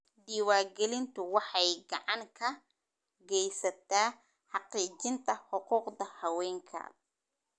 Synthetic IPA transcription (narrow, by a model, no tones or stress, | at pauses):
ɖiːwaːɡɛlɪnt̪ʰʊwɑħɑjɡɑʕɑŋkʰɐ | ɡɛjsɐt̪ʰaː | ħɑqiːt͡ʃɪnt̪ʰɐħʊquːqdɐhɐwɛːŋkʰɐ̰